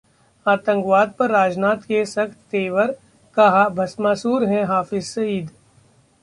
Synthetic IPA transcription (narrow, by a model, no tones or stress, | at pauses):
aːt̪ə̃ŋkʋaːd̪̚pɐɾːaːd͡ʒnaːt̪kesɐkt̪ːeːʋəɾ | kɐɦabʱɐsmaːsuːɾɦɛ̃ɦaːfɪzsɐiːd̪